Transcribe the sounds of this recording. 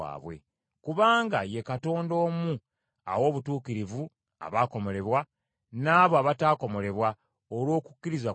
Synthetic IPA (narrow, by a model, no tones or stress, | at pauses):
a̰ːβwe̞̰ | kuβaːŋɡaje̞kato̞ːndo̞ːmu | a̰wo̞ːβutuːkiɾivu | a̰βaːko̞mo̞le̞βwa | naːβoaβataːko̞mo̞le̞βwa | olwo̞ːkukːiɾiza